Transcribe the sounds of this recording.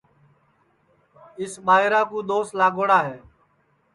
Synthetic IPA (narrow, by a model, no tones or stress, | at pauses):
ɪsɓaːɦɪɾaːkũːd̪oːslaːɡoːɽaːɦeː